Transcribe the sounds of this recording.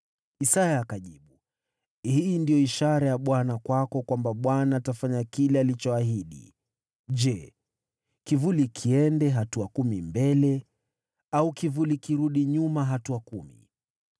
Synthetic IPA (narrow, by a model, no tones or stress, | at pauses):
isajaːkaʄiɓu | hiːndijɔiʃaɾajaɓwanakwakɔkwambaɓwanaːtafaɲakilɛalit͡ʃɔaɦiɗḭ | d͡ʒɛ | kivulikʰiɛndɛɦatuakumimbɛlɛ | aukivulikiɾuɗiɲumaɦatuakumḭ